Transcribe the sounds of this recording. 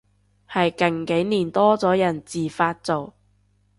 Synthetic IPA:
hɐ˨jkɐ˨˩ŋke˨˥jniː˨˩nt̪ɔː˥t͡sɔː˨˥jɐ˨˩nt͡siː˨˩faː˧t̚t͡so˨˩w

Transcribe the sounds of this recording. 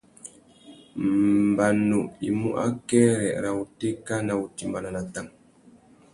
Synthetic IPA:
mba˨nu˨i˨mṵ˦ʔa̰˦kɛ˦ɾɛ̰˨ɾa˨u˨te˦ka˦na˨u˨ti˨mba˨na˨na˨ta˦˨m

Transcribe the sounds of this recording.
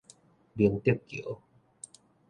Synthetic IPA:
bi˧əŋt̪i˥˩p̚kḭ˨ə˨˦

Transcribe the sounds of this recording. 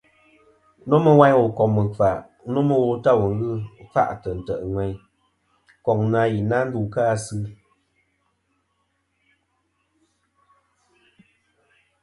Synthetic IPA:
nɔ˦mə˦wa˦ɲ˦wo˨kɔ˨mə˨fa˨ʔ | no˦mə˦wo˦ta˦˨wu˨ŋ˦ɣɨ˦fa̰˦ʔtə˨n̩˨tə˨ʔŋʷwɛ˨ɲ | kɔ˨ŋna˧˦ji˨na˦n̩˦du˦˨kaː˦˨sɨ˦

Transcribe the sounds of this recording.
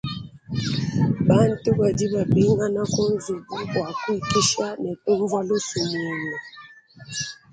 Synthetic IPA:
ɓa˦ntʼu˦ɓa˨di˦βa˨bi˦ŋɡa˦na˦ko˦nzu˨ku˦wa˨ku˦i˨ki˦ʃa˦nɛ˨ku˦ɱvwa˦lu˦su˨mɛː˦ni˨

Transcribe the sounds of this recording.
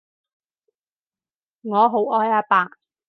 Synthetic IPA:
ŋɔː˨˧ɦo˨˥wɔː˥jaː˧paː˨k

